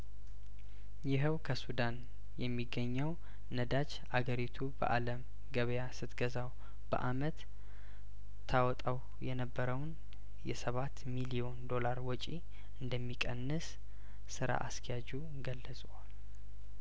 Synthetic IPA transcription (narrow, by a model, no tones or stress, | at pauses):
jɪɦəwkʰəsud̪an | jɛmːiɡːəɲːəw | nəd̪at͡ʃ | ʔaɡəɾit̪ʰubə̰ʔaləm | ɡəβjasɨt̪ɡəzaw | b̥ə̰ʔamət̪ | t̪ʰːawɔt̪ʼaw | jɛnəbːəɾəwn | jɛsəβat̪milio̞nd̪o̞laɾwɔt͡ʃʼi | ʔɨnd̪əmːikʼənːɨs | sɨɾa̰ʔa̰skʰjad͡ʒu | ɡəlːəsʼwal